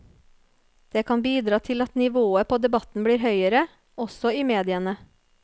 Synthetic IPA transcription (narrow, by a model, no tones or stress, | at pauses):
d̪̥eːkʰɑnbiːd̪ɾɑːt̪ʰɪlɑt̪nɪʋoːəpʰoːd̪ɛbɑt̪n̩bɽiːɾɦœʏəɾə | ɔsɔiːmeːd̪ɪənə